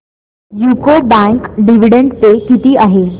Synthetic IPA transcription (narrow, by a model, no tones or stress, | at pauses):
jukobãŋkɖiʋiɖẽɳɖt̪ekit̪iaɦeː